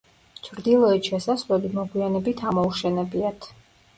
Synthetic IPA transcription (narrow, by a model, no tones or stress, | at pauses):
t͡ʃʰɾd̪ilˠɔɛt̪ʃɛsasvlɛbimɔɡwianɛbit̪ʰamɔuʃɛnɛbiat̪ʰ